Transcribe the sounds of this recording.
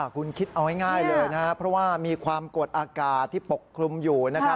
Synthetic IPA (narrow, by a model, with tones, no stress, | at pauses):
a˩kʰu˧nkʰi˦˥t̪̚ʔa˧wha˥˩jŋaː˥˩jlɤː˧jna˦˥ka˥pʰɾɔ˦˥waː˥˩miː˧kʰwaː˧mko˨˩t̪̚ʔaː˧kaː˨˩t̪ʰːiː˥˩po˨˩kʰːɾu˧mjuː˨˩na˦˥kʰa˦˥